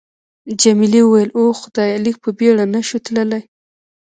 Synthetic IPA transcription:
d͡ʒamiliwəwajəlʔoxʊd̪̥ɑjalik̚pəbeɽanaʃut̪ləlaj

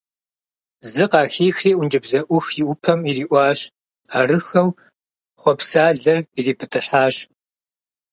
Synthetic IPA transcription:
zɨqɑːxiːxriːwʷʊnd͡ʒɪbzɐʔʷʊxjiʔʊpʰɐmiriːʔʷɑːɕ | aːrɨxɐw | χʷɔpsaːɮɐririːpʰɨtʰɨħaːɕ

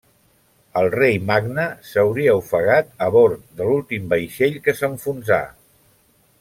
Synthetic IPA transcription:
əlˠrejmaɡnəsəwɾiəufəɣat̪əβoɾd̪əlulˠt̪imbəjʃeʎkəsəɱfunza̰

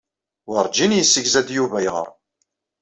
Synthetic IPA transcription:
wəɾˤd͡ʒinjəsːəçzæd̪juvæjʁə̰ɾˤ

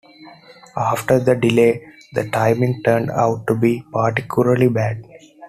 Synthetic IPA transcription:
aːfʈəɾd̪əɖileː | d̪əʈãɪmɪ̃ŋɡʈəːɾɳɖa̰ʊʈːubipaɾʈɪkʰjʊləɾlibæːɖ̚

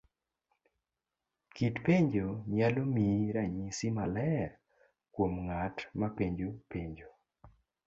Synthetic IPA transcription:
kitpeɲd͡ʒoɲalomiɾaɲisimalɛ | kwomŋatmapeɲd͡ʒopeɲd͡ʒo

